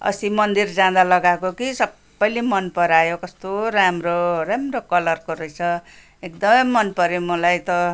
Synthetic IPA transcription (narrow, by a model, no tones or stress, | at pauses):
ʌ̰simʌnd̪ird͡zãd̪alʌɡakokisʌbːʌjlemʌnpʌɾajokʌst̪oɾamroramrokʌlʌrkoɾʌjt͡sʰʌ | ekd̪ʌmʌmʌnpʌɾjomʌlajt̪ʌ